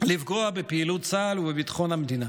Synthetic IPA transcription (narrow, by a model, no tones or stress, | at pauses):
livɡoabepiːlutt͡saːluvebit̪ḁχo̞nhamed̪ina